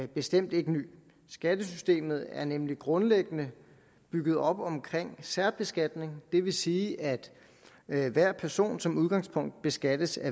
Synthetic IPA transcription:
b̥e̝sd̥em̰d̥e̝ɡ̥əny̰ː | sɡ̥æd̥əsysd̥e̝̰ːmð̞̩ˠæɐnemliɡ̥ʁɔ̽nleɡ̥ənə | b̥yɡ̥ð̞̩ˠɒ̽b̥ɒ̽mkʰʁeŋ̰sæɐ̰b̥e̝sɡ̥æd̥ne̝ŋd̥e̝ʋe̝siːʔæd̥ | ʋæɐ̰pʰæɐso̝̰ːnsɒ̽muðˠɡ̥ɑ̈ŋspʰɔ̽ŋ̰d̥̚b̥e̝sɡ̥æd̥əsæ

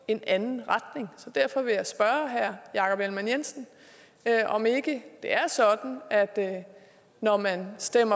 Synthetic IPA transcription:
e̝nænn̩ʁad̥ne̝ŋsɒ̽d̥æɐfɒ̽ʋe̝jɑ̈ɪsb̥ɶːɐɦæɐ̰jɑ̈kʰɒ̽b̥elmænjen̰sn̩ | ʔɒ̽me̝ɡ̥əd̥e̝æɐsɒ̽d̥n̩æd̥ | nɒmænsd̥em̰ɐ

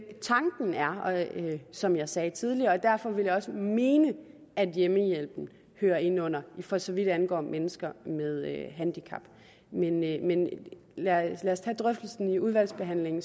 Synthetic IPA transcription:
t͡sʰɑ̈ŋɡ̥n̩æɐ | sɒ̽mjɑ̈ɪsɛːt͡sʰið̞ˠliɐ̽ːd̥æɐfɒ̽ʋe̝ljɑ̈ɒ̽səme̝ːnə | æd̥jeməjel̰b̥n̩ | høːɐe̝n̰ɔ̽n̰ɐifɒ̽sɒ̽ʋid̥ænɡ̥ɒ̰ːmʔenəsɡ̥ɐmeð̞ˠɦænd̥ikʰɑ̈b̥ | menmenlælæɐst͡sʰɛ̰ːd̥ʁœfd̥l̩sn̩iuð̞ˠʋæl̰sb̥e̝ɦæn̰le̝ŋn̩

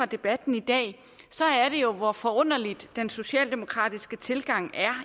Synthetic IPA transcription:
ɑ̈d̥e̝b̥æd̥n̩id̥ɛ̰ː | sɒ̽æɐɾ̥e̝jo̝ʋɒfɒ̽ɔ̽n̰ɐlid̥ːenso̝ɕɛ̰ːld̥e̝mo̝kʰʁɑ̰̈ːd̥isɡ̥ət͡sʰe̝lɡ̥ɑ̈ŋ̰æɐ

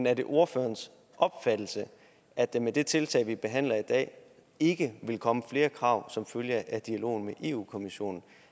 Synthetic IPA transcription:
næɐd̥e̝ʔo̝ɐfø̰ːɐns | ʔɒ̽b̥fæd̥l̩sə | ʔæd̥emed̥e̝t͡sʰe̝lt͡sʰɛ̰ɪʋib̥e̝ɦæn̰lɐid̥ɛ̰ː | e̝ɡ̥əʋe̝lkʰɒ̽məfle̝ːɐkʰʁɑ̈ʊsɒ̽mføljəæd̥iælo̝̰ːn̩meʔe̝̰ːṵːkʰo̝miɕo̝̰ːnn̩

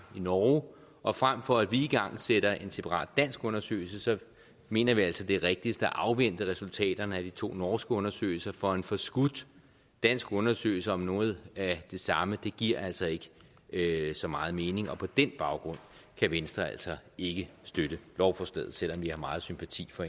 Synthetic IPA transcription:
inɒː | ʔɒ̽fʁam̰fɒ̽æd̥ʋiːɡ̥ɑ̈ŋ̰seɾ̥ɐʔe̝nse̝pʰɑ̈ʁɑ̰̈ːd̥ːæn̰sɡ̥ɔ̽nɐsø̰ːɪl̩s̬əsɒ̽ | me̝̰ːnɐʋiæl̰sɒd̥e̝ʁɛɡ̥̚d̥isd̥əæʔɑ̈ʊʋen̰d̥əʁɛsult͡sʰɛ̰ːd̥ɐnəæd̥it͡sʰo̝̰ːnɒːsɡ̥əɔ̽nɐsø̰ːɪl̩sɐfɒ̽e̝nfɒ̽sɡ̥ud̥ː | æn̰sɡ̥ɔ̽nɐsø̰ːɪl̩sɐɒ̽mnɔ̽ːð̞̩ˠæd̥e̝sɑ̈məd̥e̝ɡ̥iɐ̰æl̰sɒ̽e̝ɡ̥ə | sɒ̽mɑ̈ːð̞̩ˠme̝ːne̝ŋɒ̽pʰɒ̽d̥enb̥ɑ̈ʊɡ̥ʁɔ̽n̰kʰæʋensd̥ʁɐæl̰sɒ̽e̝ɡ̥əsd̥øɾ̥əlɒʊfɒsd̥eð̰ˠsel̰ɒ̽mʋihɑ̈mɑ̈ːð̩ˠsympʰæt͡sʰḭːfɒ̽e

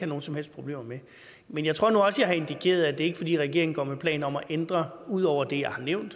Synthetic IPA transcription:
hæno̝ːn̩sɒ̽mhel̰sd̥̚pʰʁo̝b̥le̝̰ːmɐme | menjɪt͡sʰʁo̰ɐnuɒ̽sjɑ̈ɪɦɑ̈e̝nd̥ikʰe̝̰ːɐð̞̩ˠæd̥e̝e̝ɡ̥ə̥fɒ̽d̥ḭːʁɛɡ̥e̝ɐɪŋ̩ɡ̥ɒ̰ːmepʰlɛ̰ːnɒ̽mæʔend̥ʁɐuð̰ˠɒʊ̰ɐd̥e̝jɑ̈ɪhɑ̈neʊnd̥

